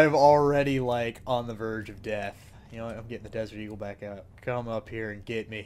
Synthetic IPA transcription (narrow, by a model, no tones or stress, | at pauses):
ɪvl̩ˠɹɛɾilaɪkn̩ðəvɜ˞d͡ʒʌvdɛθ | jɨnoʊãɪ̃mɡɛɾɪ̃ŋðɨdɛzə˞ɾiɡl̩ˠbækaʊt̚kʰʌ̃mʌphiɹɨ̃nɡɛt̚mi